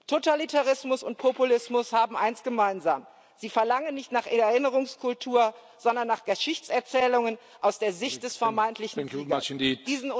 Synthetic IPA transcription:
tʰotalitaʁɪsmʊsʊnt̚pʰopulɪsmʊshaːbm̩ʔaɪnsɡ̥əmaɪnza̰ːm | z̥iːfɛɐlaŋənːɪçtnaːχʔɛɛɐɪnəʁ̞ʊŋskʰʊltʰuːɐ | z̥ɔndɐnːaːχɡ̥əʃɪçt͡sɛɐt͡sɛːlʊŋən | ʔaʊsd̥eːɐzɪçt̚d̥ɛsfɛɐmaɪntʰlɪçn̩ŋkat͡ʃɪ̃ndid̥iːzn̩

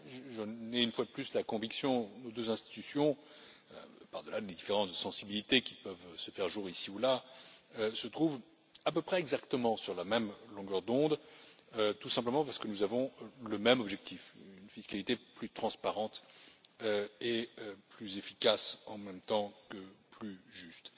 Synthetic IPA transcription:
ʒʒənɛynfwad̪əplyslakɔ̃viksjɔ̃nod̪øzɛ̃st̪i̥t̪ysjɔ̰̃ | paʁd̪əlad̪ed̪ifeʁɑ̃t̪sɑ̃sibilit̪ekʲi̥pœvsəfɛʁʒuʁisiulaøsət̪χuv | apøpχɛɛɡzakt̪əmɑ̃syʁlamɛmlɔ̃ɡœʁd̪ɔ̃d̪ | øt̪usɛ̃pləmɑ̃paʁsə̥kənuzavɔ̃ləmɛmɔbʒɛk̚t̪ʰifynfiskalit̪eplyt̪χɑ̃spaʁɑ̃t̪ | øeøplyzefikasɑ̃mɛmt̪ɑ̃kəplyʒyst̪

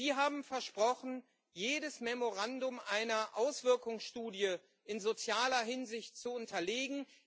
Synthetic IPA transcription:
ziːɦaːbm̩fɛɐʃpʁ̥ɔχn̩ | jeːdəsmɛmoʁandʊmʔaɪnɐʔaʊsv̥ɪɐkʊŋsʃtuːdjə | ɪnzot͡sjaːlɐɦɪnzɪçtt͡suʊntʰɐleːɡŋ̩

